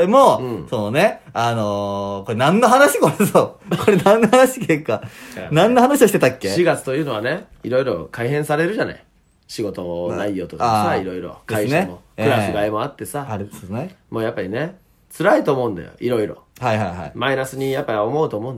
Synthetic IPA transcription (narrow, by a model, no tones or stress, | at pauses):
ɾemoɯ̃soːne̞ | anoko̞ɾenãnːoɦanaɕi̥koɾesokoɾenãnːohanaɕi̥kekːanãnːohanaɕioit̪et̪akːe̞ɕiɡat͡sɨ̥t̪o̞jɯ̟ːno̞β̞ane̞ | iɾo̞iɾo̞̰kaiɦẽ̞ɰ̃saɾe̞ɾɯ̟ʑana̰i | ɕiɡo̞t̪o̞naijːo̞ːt̪o̞kasaiɾo̞iɾo̞̰kainɕemo̞kɯ̟ɾasɨɡaemo̞at̪ːe̞saaɾosnemo̞ːjapːaɾʲine̞ | t͡sɨɾait̪o̞ːmo̞ɯ̟̃nd̪a̰jo̰iɾo̞iɾo̞̰haiɦaiɦa̰imainasɨɲ̟ijapːaiomo̞ɯ̟t̪o̞ːmo̞ɯ̃n